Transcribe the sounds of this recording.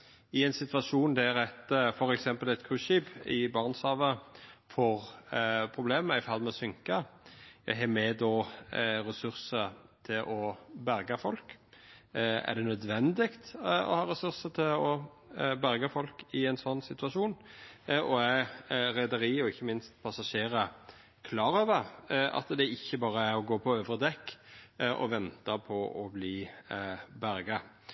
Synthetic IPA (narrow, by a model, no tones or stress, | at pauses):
ɪɛɪnsɪt̪ʋɑʂuːnd̪æɾɛt̪fɔɾɛksɛmpəlɛt̪kʰʁʉːʃiːbɪbɑːʁnsɑːʋəfɔɾpʰɾʊbleːməɪfɑlmɛsʏŋkɑjæ̰ɦɛmɛd̪ɔɾɛsʉɾsət̪ʰɪlʔɔbæɾɡɑfɔlk | æ̰ʁd̪ɛnœd̪ʋɛnd̪ɪɡt̪ɔ̰hɑːɾɛsʉɾsət̪ʰɪlɔ | bæɾɡɑfɔlkɪɛnsɔnːsɪt̪ʉɑʂuːnʔɔæɾɾæɪd̪əɾiːɔɪçːəmɪnst̪pʰɑsɑʂeːɾə | kʰlɑːɾøːʋəɾʔɑ̰t̪d̪ɛɪçːəbɑːɾəæɾɔɡoːpʰɔøːʋəɾd̪ɛkːʔɔ̰ʋɛnt̪ɑpʰɔʔɔbliː | bæɾɡɑ